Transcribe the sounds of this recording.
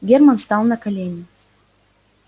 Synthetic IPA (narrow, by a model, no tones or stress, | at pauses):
ɡʲermənst̪ɑlˠnəkɐlʲenʲɪ